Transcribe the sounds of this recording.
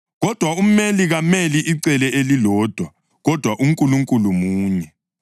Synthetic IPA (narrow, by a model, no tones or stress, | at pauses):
ɣɔd̥ʱwaum̩meliɣameliʔiǀɛlɛelilɔːd̥ʱwa | ɣɔd̥ʱwaʔum̩kʼuluŋkʼulumuːɲɛ